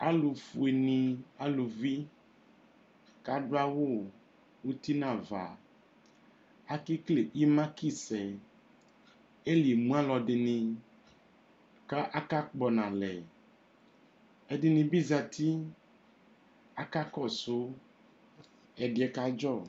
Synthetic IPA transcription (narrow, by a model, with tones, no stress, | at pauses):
a˦lu˨fu˨e˨nĩ˨a˦lu˨vi˦ | ka˦ɖo˦a˦wo˦˨ | wo˦t̪i˦nã˦˨va˨ | a˦ki˦kle˨i˦mã˦ki˦sɛ˨ | e˦li˨mũ˦a˦lɔ˨ɖe˨nĩ˨ | ka˦ʔa˦ka˦k͡pɔ˨nã˨lɛ˨ | ɛ˦ɖe˨nĩ˨bi˦za˨t̪i˦ | a˦ka˦kɔ˦so˦ | ɛ˨ɖe˨ɛ˨ka˦d͡ʒɔ˦˨